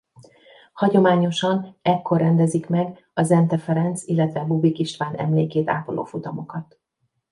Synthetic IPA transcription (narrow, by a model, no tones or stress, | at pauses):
hɒɟo̞maːɲo̞ʃɒnɛkːo̞rːɛnd̪ɛzikmɛɡ | ɒzɛnt̪ɛfɛɾɛnt̪silːɛt̪ʋɛbubikiʃt̪ʋaːnɛ̰mleːkeːt̪a̰ːpolo̰ːfut̪ɒmo̞kɒt̪